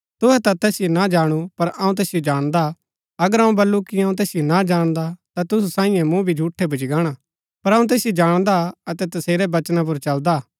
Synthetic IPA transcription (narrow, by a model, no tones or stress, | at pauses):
t̪ʊɦɛt̪at̪ɛːsɪjonad͡ʒaːɽ̃upɐɾɐũt̪̬ɛːsɪjod͡ʒaːɽ̃d̪a | ɐɡəɾɐ̃ũbɐlːukiɐũt̪̬ɛːsɪjonad͡ʒaːɽ̃d̪at̪at̪ʊsusãːɪ̃jɛ̃mũbʱid͡ʒʱuːʈʰːɛbʱʊd͡ʒɡaːɽ̃a | pɐɾɐ̃ũt̪̬ɛːsɪjod͡ʒaːɽ̃d̪aɐt̪ɛt̪ɐseːɾɛbɐt͡ʃnap̬ʊɾt͡ʃɐld̪a